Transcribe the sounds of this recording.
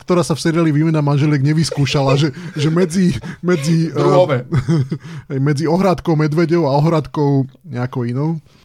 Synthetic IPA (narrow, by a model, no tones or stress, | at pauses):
kt̪ɔɾaːsafsɛɾɪaliʋiːmɛnamanʒɛljɛɡɲɛʋiskuːʃalaʒɛʒɛmɛd͡zimɛd͡ziɔʋɛ | ɦɛjmɛd͡ziɔɦɾat̪kɔʊmɛd̪ʋɛɟɔʊaɔɦɾat̪kɔʊɲɛakɔʊinɔʊ